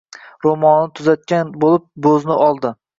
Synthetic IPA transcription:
ɾomɒnːɪt̪ʰʊzat̪̚kʲanbolɪp̚bɵznɪʔɒlˠd̪ɪ

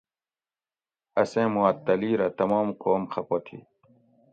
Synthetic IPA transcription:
ɐsẽːmuɐt̪ːɐliːɾɐt̪ɐmɑːmqoːmxʰɐpot̪ʰḭ

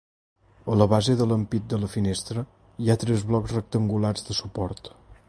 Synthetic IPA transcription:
ələβazeðələmpit̪̚d̪ələfinest̪ɾə | iat̪ɾɛzβlɔkzrək̚t̪əŋɡularzðəsupɔɾt̪

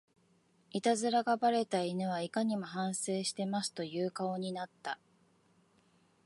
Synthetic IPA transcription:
it̪azɨɾaɡabaɾe̞t̪ainɯβ̞aikaɲ̟imo̞ɦãɰ̃se̞ːɕi̥t̪e̞masɨ̥t̪o̞jɯːkao̞ɲ̟inat̪ːa

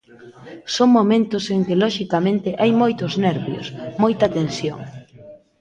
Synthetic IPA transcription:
soŋmomẽnt̪ʊseŋkɪlɔʃikamẽnt̪ɪʔajmojt̪ʊznɛɾβjo̰smojt̪ɐat̪ensjo̰ŋ

